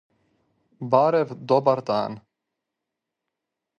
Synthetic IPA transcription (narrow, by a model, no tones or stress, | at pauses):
baːɾɛvd̪ɔbaɾt̪aːn